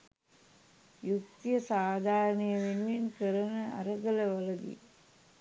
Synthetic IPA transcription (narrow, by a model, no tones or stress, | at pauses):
juk̚t̪ijəsaːd̪ʱaːɾənəjəʋenuʋinkəɾənəa̰ɾəɡələʋəlɐɡ̪ḭ